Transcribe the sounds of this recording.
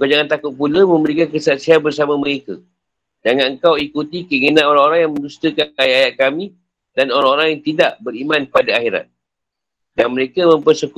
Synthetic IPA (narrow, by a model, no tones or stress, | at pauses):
əɡad͡ʒaŋant̪akʊt̪̚puləmə̃məɾikankəsat̪sianbərs̬amaməɾeka | d͡ʒaŋanəŋkawikut̪ikəŋənãʔoɾaŋoɾaŋjaŋmə̃nd͡ʒust̪əkankajaajaʔ̪̚kamĩ | danoɾaŋoɾaŋjaŋt̪idaʔbəɾimãnpadaaxiɾa̰t̪̚ | danməɾekamə̃mpərsəku